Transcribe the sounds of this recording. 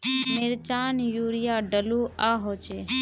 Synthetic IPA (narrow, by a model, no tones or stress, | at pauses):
meːɾt͡ʃaːnjuːɾɪjaːɖəluːʔaːɦoːt͡ʃeː